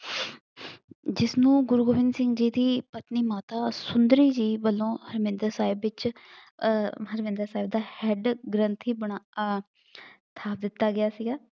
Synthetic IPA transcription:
d͡ʒɪsnũːɡʊɾɡoːʋɪ̃nd̪sɪ̃ŋɡd͡ʒiːd̪iːpət̪niːmaːt̪aːsʊnd̪ɾiːd͡ʒiːbəlːõːhəɾmɪ̃nd̪əɾsaːɪbːɪt͡ʃ | həɾmɪ̃nd̪əɾsaːɪb̚d̪aːhɛːɖɡɾənt̪ʰiːbəɳaː | t̪ʰaːp̚d̪ɪt̪ːaːɡɪjaːsiɡaː

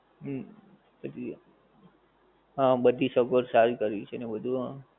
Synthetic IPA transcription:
ət̪i | ɦãbəd̪ʱisəkoɾsaɾkəɾeit͡ʃʰenebəd̪ʱuɦã

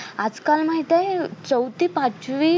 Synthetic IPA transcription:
ad͡zkalmaɦit̪et͡səwt̪iːpãt͡sʋiː

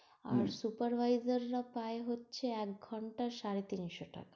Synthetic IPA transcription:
a̰ɾsupaɾʋʱajzaɾːapaeɦotːt͡ʃʰeɛkɡʱɔɳʈaʃaɾet̪iniʃoʈʰa̰ka

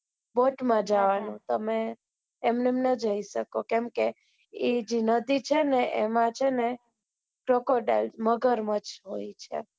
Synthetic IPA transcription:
boʈmãd͡ʒaʋanũt̪əmeː | mnemnəd͡ʒəiʃəkokɛ̃mke | id͡ʒinəd̪it͡ʃʰeneʔemãt͡ʃʰene | kɾokoɖḛlməɡəɾmət͡ʃɦojt͡ʃʰḛ

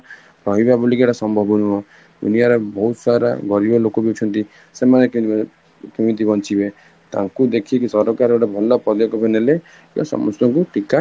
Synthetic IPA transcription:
ɾɔɦibabulikeʈasɔmbʱɔbɔnuɔ | d̪unijaɾebɔɦut̪saɾa̰ɡɔɾibɔlokɔbiut͡ʃʰɔnt̪i | semane | kimint̪̬ibɔnt͡ʃʰibe | t̪a̰ŋkud̪ekʰikisɔɾɔkaɾeɽɔbʱɔlɔpɾɔd̪jɔkɔpʰenele | jɔ̰sɔ̰mɔst̪ɔŋkuʈika

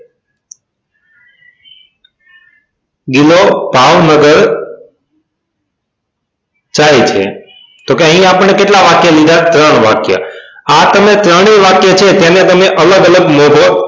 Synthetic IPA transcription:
ɡilobʱaʋnəɡəɾ | t͡ʃaet͡ʃʰḛ | t̪okeəɦĩapəɳːekeʈlaʋakjəlid̪ʱat̪ɾəɳ̃ʋa̰kjə̰at̪əmet̪ɾəɳ̃iʋakjət͡ʃʰet̪janet̪əmeʔələɡələɡmobʱo

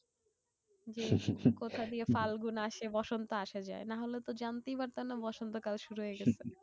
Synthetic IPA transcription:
d͡ʑekot̪ʰad̪iefalɡunaʃebɔʃont̪oaʃad͡ʑa̰enaɦolet̪od͡ʑant̪ejbaɾt̪anabɔʃont̪okalʃuɾuɦoeɡɛt͡sʰe

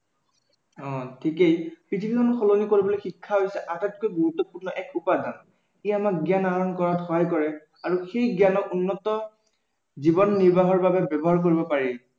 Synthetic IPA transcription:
ɔ̃tʰikejkɹitʰibikʰɔnxolonikoɹibɔlojxikʰːaɦojsɛʔatɛt̚kojɡuɹut̪ːɔpuɹnɔʔɛkʰupadʱan | iamak̚ɡjanaɹɔnkɔɹatxɔɦajkɔɹɛ | aɹuxejɡjanɔkunːɔtɔ | zibɔnːiɹbaɦɔɹbabɛbɛbɔɦaɹk̬oɹibɔpaɹi

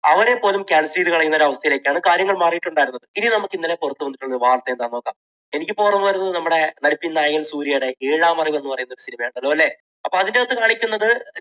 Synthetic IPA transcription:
ɐʋɐɾe̞pːo̞ːlumkaːɳsɾiːðikɐɭɐjːunːɐoɾuɐʋɐst̪ʰɐjile̞ːkʲːaːɳɨkaːɾjɐŋːɐɭmaːrijiʈːuɳɖaːjiɾunːɐðɨininɐmukːinːɐlepurɐt̪ːuʋɐnːiʈːuɳʋaːrt̪ːeend̪aːnːoːkːaːm | e̞nikʲːɨpoːrɐnːuʋɐɾunːɐðɨnɐmːuɽe̞nɐɽipːinːaːjɐŋːɐlsuːɾijeɽeiːɻaːmɐriʋme̞nːupɐrɐjunːoɾusinimɐjaːɳɐlːoːɐlːe̞ | ɐpːoɐðindeɐt̪ːɨkaːɳikʲːunːɐðɨ

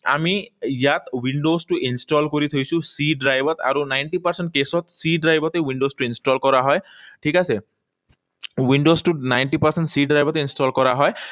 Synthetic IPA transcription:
a̰mijat̪winɖostʊʔinsʈɔlkoɹit̪ʰojsʊ̃siɖɹajbɔt̪a̰ɹunajnʈipaɹsɛnʈ̚kesɔt̪siɖɹajbɔtɛwinɖostuinstɔlkɔɹaɦɔjʈʰikasɛ | winɖostunajnʈipaɹsɛnʈsiɖɹajbɔtɛinstɔlkɔɹaɦɔj

